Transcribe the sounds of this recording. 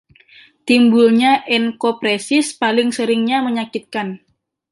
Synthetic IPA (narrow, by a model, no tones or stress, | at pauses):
t̪imbulɲaʔɛnkopɾesɪspalɪŋsəɾɪŋɲaməɲakit̪̚kan